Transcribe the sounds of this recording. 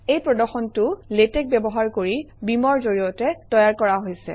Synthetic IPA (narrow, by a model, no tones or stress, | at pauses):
ejpɹɔdɔɹxɔntʊletɛk̚bɛbɔɦaɹkoɹi | bimɔɹzoɹijɔtɛtɔjaɹkɔɹaɦojsɛ̰